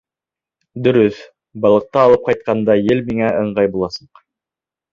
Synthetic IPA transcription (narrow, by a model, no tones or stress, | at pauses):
d̪ɵ̆ɾɵθ | bɑlˠɤ̆q̚t̪ɑːlˠɤp̚qɑjt̪̚qɑnd̪ɑjɘlmiŋæɤ̆ɴɢɑjbulˠɑsɤ̥q